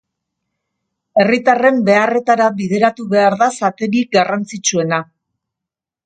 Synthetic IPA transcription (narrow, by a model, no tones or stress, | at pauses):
e̞rit̪are̞mbe̞are̞t̪aɾaβiðe̞ɾat̪uβe̞aɾðasat̪e̞ɾik̚ɡarant͡sit͡ʃue̞na